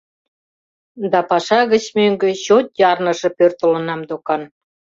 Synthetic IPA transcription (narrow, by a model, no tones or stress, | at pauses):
d̪ɑpɑʃɑɣə̆t͡ɕmøŋɡø̆ɕot̪̚jɑrnə̆ʃɤ̆pørt̪olə̆nɑmd̪okɑn